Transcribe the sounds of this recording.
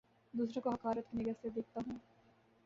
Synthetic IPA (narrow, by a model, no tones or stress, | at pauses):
d̪uːsɾõkoɦɐkaːɾət̪kinɪɡəɾsed̪eːk̚ʰt̪aɦũː